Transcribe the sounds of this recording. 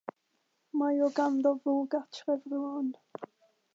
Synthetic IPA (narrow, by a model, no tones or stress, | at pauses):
majɔɡamðɔvuːɡatʰrɛvruɔn